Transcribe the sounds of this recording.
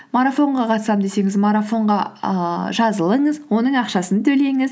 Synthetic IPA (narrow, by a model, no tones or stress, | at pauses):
maɾafo̞ɴʁɑqʰɑt̪sɑmd̪e̞se̞ŋɪzmaɾafo̞ɴʁɑ | ʒɑzəlˠəɴəzwo̞nəɴɑqʃɑsənt̪ʰɵle̞ŋɪz